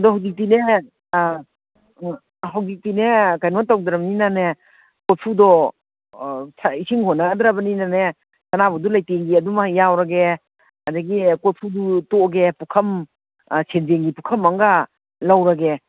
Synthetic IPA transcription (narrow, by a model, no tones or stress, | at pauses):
dɔhawzik̚tine | ɦawzik̚tinekajnɔntawd̪ɾabɐninane | kot̚pʰudɔ | sʰaisʰiŋhonːaɡadɾabɐninane | sanabɐdulajteŋɡiɐdumahjːawɾaɡe | adaɡikot̚pʰudutoɡepukʰɐm | sʰenzeŋɡipukʰɐmaŋɡa | lawɾaɡe